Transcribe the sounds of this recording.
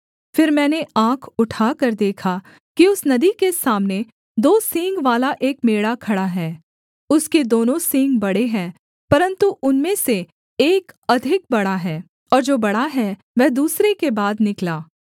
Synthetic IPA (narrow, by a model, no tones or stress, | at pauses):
fɪɾmɛ̃ːneʔãːkʰʊʈʰaːkɐɾd̪eːkʰa | kiʊsnɐd̪ikesaːmne | d̪oːsɪ̃ŋɡʋaːlaʔeːkmeːɽakʰɐɽaɦɛː | ʊsked̪oːnõsɪ̃ŋɡbɐɽeɦɛ̃ː | pɐɾə̃nt̪uʔʊnmẽse | eːkɐd̪ʱɪk̚bɐɽaɦɛː | ɔːɾd͡ʒoːbɐɽaɦɛ | ʋɛːd̪uːsɾekebaːd̪nɪklaː